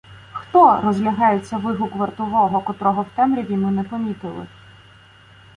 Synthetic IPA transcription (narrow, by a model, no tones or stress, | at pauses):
xt̪ɔɾɔzlʲɐɦɑjet͡sʲːɐʋɪɦʊkʋɐrt̪ɔʋɔɦɔkɔt̪ɾɔɦɔwt̪ɛmɾʲiʋʲimɪnɛpɔmʲit̪ɪlˠɪ̰